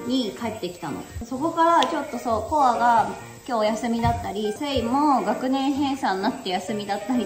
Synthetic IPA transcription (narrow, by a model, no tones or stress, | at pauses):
ɲ̟ikaet̪ːe̞kʲi̥t̪ano̰so̞ko̞kaɾat͡ɕo̞t̪ːo̞soko̞aɡa | kʲo̞ːjasɨmʲid̪at̪ːaɾʲiseimoɡakɯ̟nẽ̞ɰ̃ɦẽ̞ɰ̃sãnːat̪ːe̞jasɨmʲid̪at̪ːaɾʲi